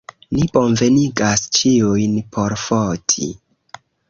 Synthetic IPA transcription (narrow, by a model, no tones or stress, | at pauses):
nibo̞nve̞niɡast͡ʃiujnpʰo̞ɾfotʰḭ